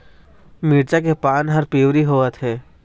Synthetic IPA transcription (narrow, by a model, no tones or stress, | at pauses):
miːɾt͡ʃak̬epaːnɦɐɾpiːʋɾiɦoːət̪ɦɛː